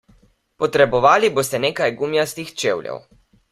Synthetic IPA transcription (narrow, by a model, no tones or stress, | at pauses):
pɔt̪ɾɛbɔʋaːliboːst̪ɛneːkajɡumjast̪ixt͡ʃeːwlʲjɛ̰w